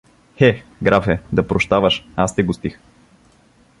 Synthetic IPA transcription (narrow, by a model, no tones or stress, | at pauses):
xɛɡɾafɛd̪ɐpɾoʃt̪avəʃast̪ɛɡʊst̪ix